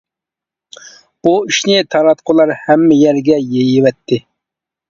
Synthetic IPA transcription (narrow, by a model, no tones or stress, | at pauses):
b̥uiʃnɪt̪ʰɑɾɑt̪qʰʊlˠɑɾhɛmːɛjɛɾɡʲɛjejɪvɛt̪ʰːɪ